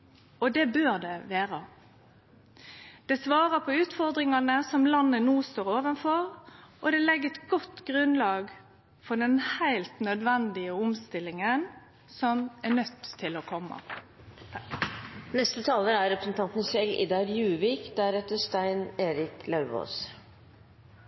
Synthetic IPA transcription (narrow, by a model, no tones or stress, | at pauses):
ɔd̪ɛbøːʁd̪ɛʋæːʁə | d̪̥ɛsʋɑːʁəpʰɔʉːt̪fɔʁd̪ʁɪŋɑnəsɔmlɑnːənuːst̪oːɾoːʋənfɔʁʔɔd̪ɛlɛɡəɛt̪ɡɔt̪ːɡʁʉnlɑːɡ | fɔɖɛnhæɪlt̪nœd̪ʋɛnd̪ɪəʊmst̪ɪlɪŋən | sɔmænœt̪ʰːɪlɔkʰɔmːɑ̰ | nɛst̪ət̪ʰɑːləɾæɾɾɛpɾəsn̩t̪ʰɑnt̪nsɛlɪ̰d̪ɑɾjʉːʋiːkd̪æɾɛt̪əʂt̪æɪneːɾɪklɑʉo̰ːs